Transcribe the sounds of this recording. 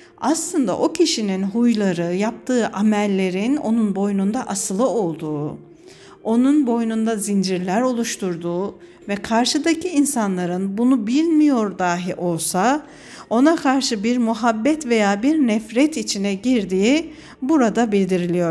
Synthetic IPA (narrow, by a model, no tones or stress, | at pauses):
aslˠɯnd̪a̰ʔo̞cʰiʃininɦujlˠaɾɯjap̚t̪ʰɯːʔamɛlʲːe̞ɾino̞̰nunbo̞jnund̪aʔasɯlˠɯo̞lˠd̪uː | o̞nunbo̞jnund̪azind͡ʒiɾlʲæɾo̞lˠuʃt̪ʰuɾd̪uː | vɛkʰaɾʃɯd̪acʰiinsanlˠaɾɯnbunubilʲmijo̞ɾd̪aːɦiʔo̞lˠsa | o̞nakʰaɾʃɯbiɾmuɦabːɛt̪ve̞jaːbiɾnɛfɾɛt̪it͡ʃʰinɛɟiɾd̪iːi | buɾad̪abilʲd̪iɾilʲijo̞ɾ